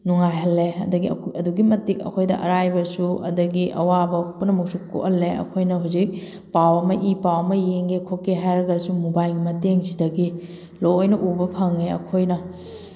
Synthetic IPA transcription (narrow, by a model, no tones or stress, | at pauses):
nuŋajɦɐlːeɐdɐɡḭɐduɡimɐtik̚ɐ̰kʰojdɐ̰ʔɐ̰ɾajbɐsuɐ̰dɐɡiʔɐ̰wabɐpunɐmɐk̚suko̰ʔhɐlːeɐ̰kʰojnɐɦuzik̚ | pawɐmɐʔipawɐmɐjeŋekʰokːeɦajɾɐɡɐsumubajɡimɐteŋsidɐɡi | loojnɐʔubɐpʰɐŋeɐ̰kʰojnɐ